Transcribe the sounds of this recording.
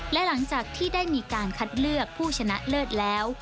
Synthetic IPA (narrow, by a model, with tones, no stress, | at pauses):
lɛ˦˥la˩˦ŋt͡ɕaː˨˩k̚t̪ʰiː˥˩daː˥˩jmiː˧kaː˧nkʰa˦˥t̪̚lɯ˥˩ək̚pʰuː˥˩t͡ɕʰa˧na˦˥ʔlɤː˥˩t̪̚lɛː˦˥w